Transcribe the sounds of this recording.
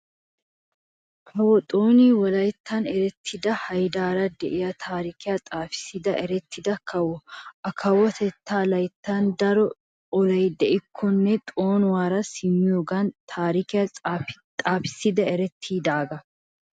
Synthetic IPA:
kʰɐwɔt̪ʼoːniːwɔlɐjt̪ːɐnɛɾɛt̪ʰːɪd̪ɐhɐjd̪aːɾɐd̪ɛʔɪjɐt̪ʰaːɾikɪjɐt̪ʼaːfɪ̥sɪd̪ɐʔɛɾɛt̪ːɪd̪ɐkʰɐwɔʔɐkʰɐwɔt̪ɛt̪ːaːlɐjt̪ːɐnd̪ɐɾɔ | ɔlɐjd̪ɛʔɪkʰːɔnːɛt̪ʼoːnʊwaːɾɐsɪmːɪjoːɡɐnt̪ʰaːɾikɪjɐ | t̪ʼaːfɪ̥sɪd̪ɐɛɾɛt̪ʰːiːd̪aːɡɐ

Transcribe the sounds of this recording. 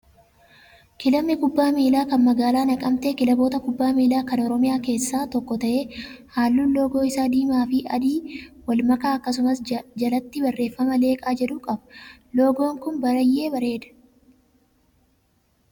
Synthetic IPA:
kɪlɐmːɪkʊbːaːmiːlaːkɐnmɐɡaːlaːnɐkʼɐmt̪ekɪlɐbo̞ːt̪ɐkʊbːaːmiːlaːkɐnɔɾɔmɪjaːke̞ːsːaːt̪ɔkːɔt̪ɐʔe̞ːhaːlːuːlo̞ːɡo̞ːɪsaːd̪iːmaːfɪɐ̰d̪iːwɐlmɐkaːɐkːɐsʊmɐsd͡ʒɐlɐt̪ːɪbɐrːe̞ːfːɐmɐle̞ːkʼaːd͡ʒɛᶑʊkʼɐbɐlo̞ːɡo̞ːŋkʊnbɐɾɐjːe̞ːbɐɾe̞ːd̪ɐ̥

